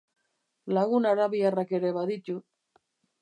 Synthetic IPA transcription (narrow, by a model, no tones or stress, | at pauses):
laɣunaɾaβiarake̞ɾe̞βaðit̪u